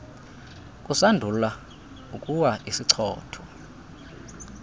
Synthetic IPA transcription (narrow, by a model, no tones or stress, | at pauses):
kʼusandʱula | ukʼuwaisiǀʰɔ̰ːtʰɔ̥